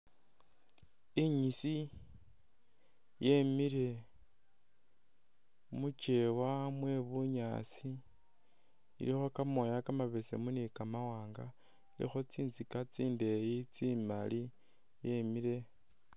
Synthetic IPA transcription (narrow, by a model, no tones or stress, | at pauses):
iɲisi | je̞miɾe̞ | mut͡ʃe̞wamwe̞βuɲa̰ːsi | ḭlixo̞kamo̞jakamaβe̞sḛmunikamawaːŋɡa | ilḭxo̞t͡siːnzikat͡siːnde̞jit͡simali | jemiɾe̞